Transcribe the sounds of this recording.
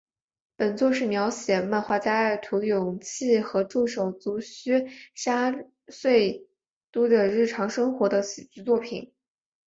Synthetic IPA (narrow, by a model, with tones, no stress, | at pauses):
pə˨˩nt͡swɔ˥˧ʂɻ̩˥˩mjɑ˧˥ʊɕjɛ˨˩ma˥˧nxwa˥˧t͡ɕja˥˩ɪt̪ʰu˧˥jʊ˨˩ŋt͡ɕʰi˥˩xɤ˧˥ʈ͡ʂu˥˩ʂo˨˩ʊt͡su˧˥ɕy˥ʂa˥ | swe˥˩ɪ | t̪u˥d̪ə˨ɻɻ̩˥˩ʈ͡ʂʰɑ˧˥ŋʂɤ˥ŋxwɔ˧˥d̪ə˧ɕi˨˩t͡ɕy˥t͡swɔ˥˩pʰḭ˨˩˦n